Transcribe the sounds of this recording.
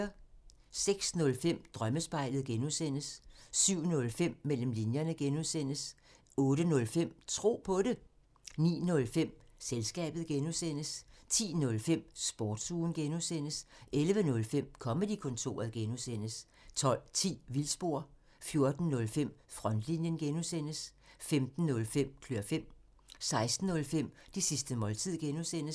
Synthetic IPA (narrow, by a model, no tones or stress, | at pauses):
ɐ | seɡ̥snɔ̽lfem̰d̥ʁɶməsb̥ɑ̈ɪ̰lð̩ˠɡ̥enusen̰əsːyʊ̰nɔ̽lfem̰ːel̰m̩linjɐnəɡ̥enuðˠsen̰əs | ɔ̽ːɾənɔ̽lfem̰t͡sʰʁo̝̰ːpʰɒ̽ɾe̝ | nḭːnɔ̽lfem̰selsɡ̥ɛ̰ːb̥ð̞̩ˠɡ̥enusen̰əst͡sʰḭːnɔ̽lfem̰sb̥ɒːd̥suːn̩ɡ̥enusen̰əselʋənɔ̽lfem̰kʰɒ̽məd̥ikʰɔ̽nt͡sʰo̝̰ːɐðˠɡ̥enusen̰əs | t͡sʰɒ̽l̰t͡sʰḭːʋilsb̥o̝̰ɐ | fjo̝ɐd̥n̩ːɔ̽lfem̰fʁɒ̽nd̥linjənɡ̥enusen̰əsfemd̥n̩nɔ̽lfem̰kʰløːɐfem̰ | sɑ̈ɪsd̥n̩ːɔ̽lfem̰d̥isisd̥əmɒ̽lt͡sʰið̰ˠɡ̥enusen̰əs